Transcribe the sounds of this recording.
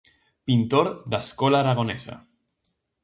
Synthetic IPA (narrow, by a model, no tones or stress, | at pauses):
pint̪oɾd̪askɔlaːɾaɣ̞onɛza̰